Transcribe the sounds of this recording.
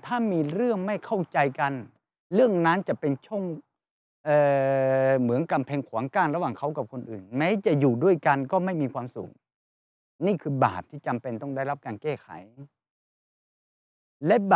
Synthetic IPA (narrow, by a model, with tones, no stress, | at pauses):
t̪ʰaː˥˩miː˧ɾɯ˥˩əŋma˥˩jkʰa˥˩wt͡ɕa˧jka˧n | ɾɯ˥˩əŋna˦˥nt͡ɕa˨˩pe˧nt͡ɕʰo˥˩ŋ | ʔɤː˨˩ | mɯ˩˦ənka˧mpʰɛː˧ŋkʰu˩˦ŋkaː˧˩nɾa˧waː˨˩ŋkʰa˦˥˩wka˨˩p̚kʰo˧nʔɯː˨˩nmɛː˦˥jt͡ɕa˨˩juː˨˩du˥˩əjka˧nkɔː˥˩ma˥˩jmiː˧kʰwaː˧msṵː˨˩ŋ | niː˥˩kʰɯː˧ba̰ː˨˩p̚t̪ʰiː˥˩t͡ɕa˧mpe˧nt̪ɔ˥˩ŋda˥˩jla˦˥p̚kaː˧nkɛː˥˩kʰa̰˨˩˦j | lɛ˦˥ba